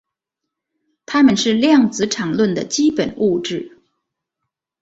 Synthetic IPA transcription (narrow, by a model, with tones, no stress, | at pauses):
t̪ʰa˥mə˨nʂɻ̩˥˧ljɑ˥˩ŋt͡sɹ̩˧˥ʈ͡ʂʰɑ˨˩ŋlwə˥˩nd̪ə̰˩t͡ɕi˥pə˨˩nu˥˧ʈ͡ʂɻ̩˥˩